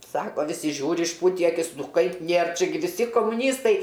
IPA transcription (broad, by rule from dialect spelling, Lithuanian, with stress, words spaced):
ˈsɑːkoː ʋʲɪˈsʲɪ ˈʒʲuːrʲɪ ɪʃˈpuːtʲiː ɐˈkʲɪs ˈnʊ ˈkɐɪp ˈnʲeːr ˈt͡ʃʲɛ ɡʲɪ ʋʲɪˈsʲɪ koːmʊˈnʲiːstɐɪ